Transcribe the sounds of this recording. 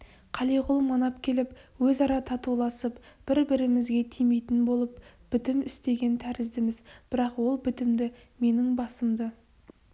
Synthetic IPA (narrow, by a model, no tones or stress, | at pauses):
qʰɑlˠijʁʊlˠmɑnɑpkʲʰe̞lɪpwɵzɑɾɑt̪ʰɑt̪ulˠɑsəpb̥ɪɾbɪɾɪmɪzɡʲe̞t̪ʰijmejt̪ɪnbo̞lˠəpb̥ɪt̪ɪmɪst̪e̞ɡʲe̞nt̪ʰæɾɪzd̪ɪmɪzb̥ɪɾɑqwo̞lˠbɪt̪ɪmd̪ɪ | me̞nɪŋbɑsəmd̪ə